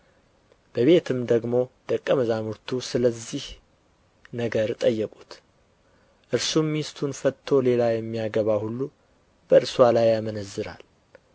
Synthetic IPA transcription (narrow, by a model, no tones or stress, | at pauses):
b̥əβe̞t̪ʰɨmd̪əɡmo̞d̪̥əkʼːəməzamuɾt̪ʰusɨləzːih | nəɡəɾt̪ʼəjːɛkʼu̥t̪ | ʔɨɾsumːist̪ʰunfət̪ʰːo̞le̞lajɛmːijaɡəβahulːu | b̥əɨɾswalajːamənəzːɨɾa̰l